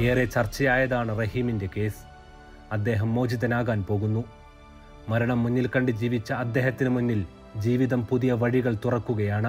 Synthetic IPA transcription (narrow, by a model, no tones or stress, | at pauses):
e̞ːre̞t͡ɕɐrt͡ɕːɐjaːjɐðaːɳɨrɐɦiminde̞ke̞ːs | ɐd̪ːe̞ːɦɐmːo̞ːd͡ʑiðɐnaːɣaːnpo̞ːɣunːu | mɐɾɐɳɐmːuɲːilkɐɳɖɨd͡ʑiːʋit͡ɕːɐːd̪ːe̞ːɦɐt̪ːinɨmuɲːil | d͡ʑiːʋiðɐmpuðijɐʋɐɻiɣɐɭt̪urɐkːuɣɐjaːɳɨ